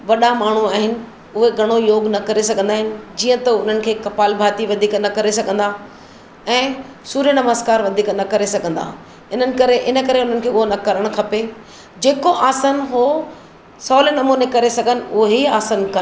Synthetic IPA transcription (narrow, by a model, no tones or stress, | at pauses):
ʋɐɗamaːɳ̤uaːɦɪnɪ̆ | ʊɦeɡʱɐɽ̃ojoːɡnɐkɐɾesɐɡʱə̃nd̪aːɦɪnɪ̆d͡ʑiːə̃t̪ɐʊn̤ənɪ̆kʰeːkɐpaːlbʱaːt̪iʋɐd̪ʱiːknɐkɐɾes̬ɐɡʱə̃nd̪a | ɛ̃ː | suːɾjənɐməzkaːɾʋɐd̪ʱiːknɐkɐɾesɐɡʱə̃nd̪a̰ː | ɪn̤ənɪ̆kɐɾeʔɪnə̆kɐɾeʊn̤ənɪ̆kʰeːʊɦonɐkɐɾəɽ̃kʰɐpe | d͡ʑeːkoʔaːsənɦoː | sɔːlənɐmuːnekɐɾesɐɡʱənɪ̆ʊɦeiaːsənkɐ